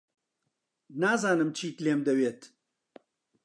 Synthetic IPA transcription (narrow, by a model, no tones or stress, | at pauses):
naːzaːnɨmt͡ʃʰiːt̪leːmd̪ɐweːt̪